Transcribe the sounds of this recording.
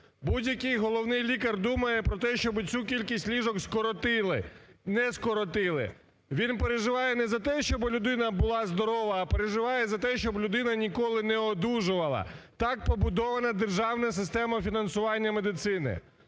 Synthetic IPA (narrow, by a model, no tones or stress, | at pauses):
budʲjɐkɪjɦɔlˠɔwnɪjlʲikɐrd̪umɐjɛpɾɔt̪ɛʃt͡ʃɔbɪt͡sʲukʲilʲkʲisʲtʲlʲiʒɔkskt̪ɪɪnɛskɔɾɔt̪ɪlˠɪ̰ | ʋʲinpeɾeʒɪʋɑjɛnɛzɐt̪ɛʃt͡ʃɔblʲʊd̪ɪnɐbʊlˠɑzd̪ɔɾɔʋɐːpeɾeʒɪʋɑjɛzɐt̪ɛʃt͡ʃɔblʲʊd̪ɪnɐnʲikɔlˠɪnɛɔd̪uʒʊʋɐlˠɐ̰t̪ɑk̚pɔbʊd̪ɔʋɐnɐd̪erʒɑwnɐsɪst̪ɛmɐfʲinɐnsʊʋɑnʲːɐme̞d̪ɪt̪sɪnɪ̰